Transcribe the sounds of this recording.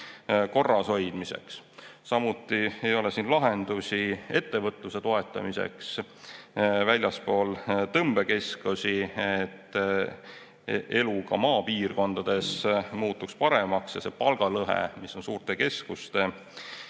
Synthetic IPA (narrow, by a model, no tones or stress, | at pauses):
ko̞rːɑso̞jd̪̥mise̞̰kssɑmut̪ːˑie̞jo̞le̞siːnlɑɦend̪̥usʲie̞t̪ːe̞vɤt̪ˑluse̞t̪o̞e̞t̪ˑːɑ̰mise̞̰ks | vælʲjɑspo̞ːlt̪ɤmb̥e̞ke̞skusiet̪ː | ʔe̞lukɑ̰mɑːpiːrko̞nd̪̥ɑd̪̥e̞smuːt̪ːˑukspɑɾe̞mɑksjɑse̞pɑlɡ̥ɑlɤɦḛmisːo̞nsuːrt̪e̞ke̞skust̪e̞